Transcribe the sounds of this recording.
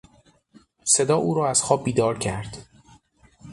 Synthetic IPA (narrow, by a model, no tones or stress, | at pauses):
se̞d̪ɒːʔuːɾɒːæz̥xɒːb̚ːiːd̪ɒːɾcʰæɾd̪̥